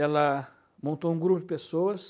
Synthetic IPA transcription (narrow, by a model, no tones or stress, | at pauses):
ɛlɐ | mõnt̪oũɡɾupʊd͡ʒɪpesoɐs